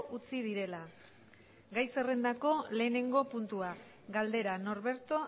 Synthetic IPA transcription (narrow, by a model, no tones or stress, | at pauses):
ut͡sið̞iɾe̞la | ɡajse̞rend̪ako̞le̞ːne̞ŋɡo̞punt̪ua | ɡald̪e̞ɾano̞ɾβe̞ɾt̪o̞